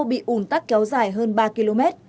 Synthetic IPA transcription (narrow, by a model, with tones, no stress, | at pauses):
ɓḭ˧˨ʔu˧˩nt̪a˦˥k̚kɛ˨˦wzaː˧˩jɦəː˧nɓaː˧ki˧lo˧mɛ˦˥t̚